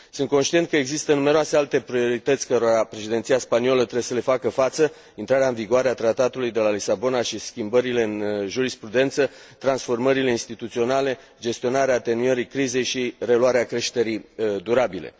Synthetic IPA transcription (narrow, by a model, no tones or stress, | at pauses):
sɨnt̪ko̞nʃt̪iet̪̚kəeɡzist̪ənume̞ɾoase̞alt̪e̞pɾio̞ɾit̪ət̪sʲkəɾoɾapɾe̞ʃid̪e̞nsiaspanio̞lət̪ɾeesəle̞fakəfat̪sə | int̪ɾaɾeaɨnviɡoaɾeat̪ɾat̪at̪ulujd̪e̞lalisabo̞naʃiskʲimbəɾile̞ɨnʒuɾispɾud̪e̞nt̪sə | t̪ɾansfo̞rməɾile̞inst̪it̪ut̪sio̞nale̞ | d͡ʒe̞st̪io̞naɾeat̪e̞nueɾikɾize̞jʃire̞luaɾeakɾe̞ʃt̪e̞ɾid̪uɾabile̞̰